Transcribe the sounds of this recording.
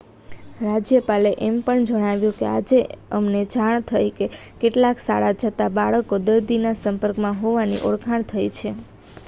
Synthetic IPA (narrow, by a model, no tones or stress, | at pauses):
ɾad͡ʒjəpaleʔempəɳd͡ʒəɽ̃aʋjũkead͡ʒeəmned͡ʒaɳ̃t̪ʰəjkekeʈlaksa̰ɭad͡ʒʰət̪abaɭəkod̪əɾd̪inasəmpəɾkmãɦoʋanḭʔoɽkʰaɳ̃t̪ʰəjt͡ʃʰe